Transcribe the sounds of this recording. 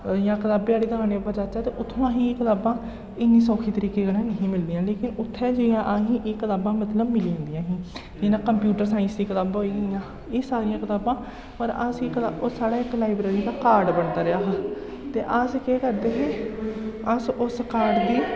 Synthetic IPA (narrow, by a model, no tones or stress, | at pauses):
jãːkət̪aːbeaːɽiːd̪əkaːneːəpəd͡ʒaːt͡ʃaːt̪eːʔʊt̪ʰːõːaːɦĩːeːkət̪aːbãː | ɪnːiːsɔːkʰiːt̪əɾiːkeːɡəɽãːnəɦĩːmɪld̪ijãːleːkɪnʊt̪ʰːɛːd͡ʒejãːʔaːɦĩːʔeːkət̪aːbãːmət̪ləbmɪliãːnd̪ijãːɦĩː | d͡ʒeːnãːkəmpjuːʈəɾsaːɪ̃nsd̪iːkət̪aːbɦoːiːɡɪjãː | eːsaːɾɪjãːkət̪aːbãː | pəɾəsikət̪aːsaːɽaːɪklaːɪbɾeːɾiːd̪aːkaːɾɖbəɳd̪aːɾɪaːɦa | t̪eːʔəskeːkəɾd̪eːɦeː | əsʊskaːɾɖd̪iː